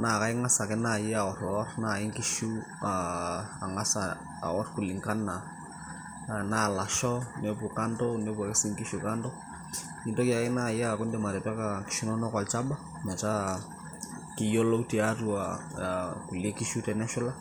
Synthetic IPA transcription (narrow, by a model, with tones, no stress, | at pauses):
na˨ka˦jŋa˦sa˨kɛ˦na˦˨ji˦a˨ɔ˨rɔ˦rna˨ɪ˦ŋki˦ʃu˦ | aa˨ŋa˦sa̰˨ | ɔ˦rku˨lɪ˨ŋka˦na˨ | na˦˨la˨ʃɔ˦ne˦pu˨ka˦ntɔ˦ne˦pu˨kɪ˦si˦ŋki˦ʃu˨ka˦ndɔ˦ | i˦ndo˦ka˨kɪ˦na˦˨ji˦aku˦ndɛ˨ma˨ɾe˨ta˦ka˨ki̥ʃu˦nɔ˦nɔ˦kwa˨lt͡ʃa˦ba˦ | ma˨t͡ʃa˦ | kɪ˦jɔ˦lɔ˦uti˨a˦tu˦a˨ | ku˨le˦ki˦ʃu˦tɛ˨nɛ˦ʃɔ˦la˦